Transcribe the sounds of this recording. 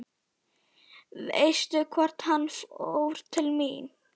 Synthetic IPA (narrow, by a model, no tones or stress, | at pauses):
ðejst̪ʏkʰvɔr̥t̪hanfo̰wɾ̥t̪ʰɪlmin